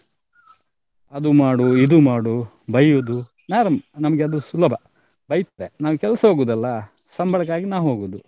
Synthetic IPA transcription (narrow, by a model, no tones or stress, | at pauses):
ɐd̪umaːɽuid̪umaːɽu | bɐjud̪u | naːɾɐmnɐmɐɡeɐd̪usulɐbʱɐ | bɐjt̪ɐʋenaːʋukɛlsɐɦoːɡuːd̪ɐlːɐ | sɐmbʱɐɭɐkːaːɡinaːwuɦoːɡuːd̪u